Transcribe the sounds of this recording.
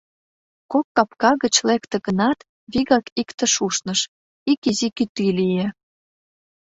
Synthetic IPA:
kokːɑpkɑɣət͡ɕlekt̪ĕɣənɑt̪ | βiɣɑkikt̪ə̆ʃuʃnəʃ | ikizikyt̪ːilije

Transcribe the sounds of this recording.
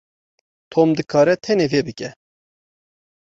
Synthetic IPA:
t̪ʰoːmd̪ɨkʰɑːɾɛt̪ʰɛneːvebɨkɛ

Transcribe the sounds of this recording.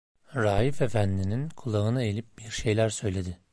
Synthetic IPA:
ɾaːjife̞fænd̪ininkʰulˠaɯnaelʲip̚biɾʃe̞jlʲæɾsø̞jlʲe̞d̪ɪ

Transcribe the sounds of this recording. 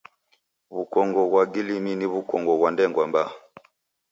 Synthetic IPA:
βukɔŋɡɔɣwaɡilininiβukɔŋɡɔɣwandɛŋɡwamba

